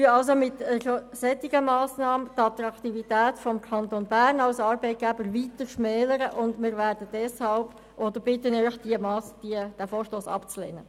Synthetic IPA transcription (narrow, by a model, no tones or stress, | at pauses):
yəɑlsomɪtɛʃosɛt̪ːiɡəmɑːsnɑːmət̪ɑt̪ɾɑkt̪ivitæːtfɔmkʰɑnt̪onbæːrnɑlsɑːɾbɛɪt̚ɡ̥æbəɾvitəɾʃmɛːləɾəʔʊndmɪːɾvæːɾd̥əd̥ɛshɑlb̥ | ʔɔd̪əɾb̥ɪtənœʏχd̥iəmɑːsd̥iəd̥æfoːɾʃtoːsɑ̰pt͡slḛːnə